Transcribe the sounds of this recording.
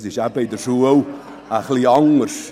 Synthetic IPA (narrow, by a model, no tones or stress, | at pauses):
diʃabejdəʃuəw | aχlˠiɔŋrʃ